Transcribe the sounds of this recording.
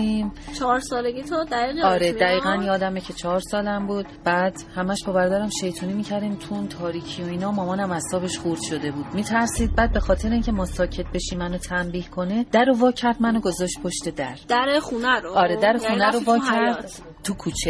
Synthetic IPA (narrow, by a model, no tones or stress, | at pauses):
iːmt͡ʃʰɒɾsɒːleɡit̪ʰod̪æɣiːɣeɒːɾed̪æɣiːɣænjɒːd̪æmecʰe̞t͡ʃʰɒɒɾsɒːlæmbuːd̪̥bæːd̪̥hæmæʃbɒːbæɾɒːd̪æɾæmʃe̞jt̪ʰuːnimiːcʰæɾd̪iːmt̪ʰunt̪ʰɒːɾiːcʰijoiːnɒːmɒːmɒːnæmæsɒːbe̞ʃχuɾd̪̥ʃo̞d̪e̞buːd̪̥miːt̪ʰæɾsiːd̪̚bæːd̪̚be̞xɒːt̪ʰe̞ɾeiŋcʲʰe̞mɒːsɒːcʰe̞t̪̚be̞ʃimːænot̪ʰæmbiːhkʰo̞ne̞d̪̥æɾovɒːcʰæɾd̪mænoɡo̞zɒːʃt̪̚pʰoʃt̪e̞d̪æɾd̪æɾeχunæɾoɒːɾed̪æɾexuːnæɾovɒːæɾd̪ | t̪ʰukʰuːt͡ʃʰe